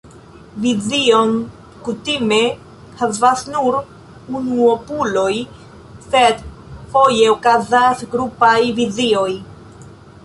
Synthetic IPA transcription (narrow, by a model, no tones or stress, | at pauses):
vizio̞n | kutime̞ | havasnuɾ | unuopulo̞j | se̞d | fo̞je̞okazasɡɾupajvizio̞j